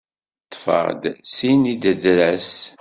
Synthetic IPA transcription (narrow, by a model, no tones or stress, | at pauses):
t̪ˤːfə̰ʁd̪sinid̪əd̪ɾæs